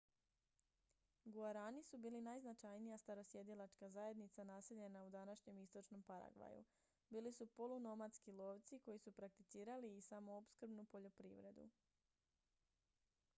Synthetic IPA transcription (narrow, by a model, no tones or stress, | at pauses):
ɡuaɾaːnisubiːlinajznat͡ʃajnijast̪aɾo̞sje̞d̪ilˠat͡ʃkazaje̞d̪nit̪sanaːse̞ʎe̞naud̪anaʃɲe̞mist̪o̞t͡ʃno̞mpaɾa̰ɡʋa̰jṵ | biːlisupo̞lˠuno̞mat̪skilˠo̞ːʋt̪siko̞jisupɾak̚t̪it̪siːɾaliːsamo̞opskr̩bnupo̞ʎo̞pɾiʋɾe̞d̪ṵ